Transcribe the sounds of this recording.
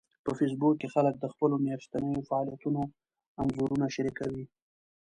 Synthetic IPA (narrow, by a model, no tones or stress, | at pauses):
pəfes̬bukkːexalək̚d̪əxpəlomest̪anəjofaɑlijat̪uno | anzoɾunaʃaɾikawi